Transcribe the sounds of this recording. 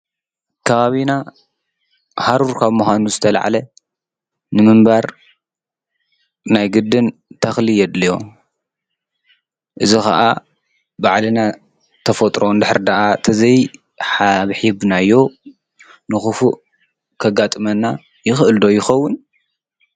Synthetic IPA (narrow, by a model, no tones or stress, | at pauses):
kʰɐβaβina | haɾuɾkʰaβmuxʷanuzɨt̪ʰɐla̰ʕa̰lɐ | nɨmɨmbaɾ | najɡɨd̪ːɨnt̪ʰɐxlijɛd̪lijo̞ | ʔɨzixa̰ʔa | baʕlɨna | t̪ʰɐfɐt̪ʼɾo̞nd̪ɨħɨɾd̪ɐʔat̪ʰɐzɐj | ħaβħiβnajːo̞ | nɨxɨfuʔ | kʰɐɡat̪ʼɨmɐnːa | jɪxʔɨld̪o̞jɪxɐwːʊn